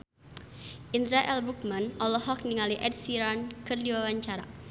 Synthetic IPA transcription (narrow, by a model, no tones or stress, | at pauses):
ʔind̪ɾaʔɛlbuk̚manɔlɔɦɔk̚niŋaliʔɛd̚siɾankɨrdiwawaɲt͡ʃaɾa̰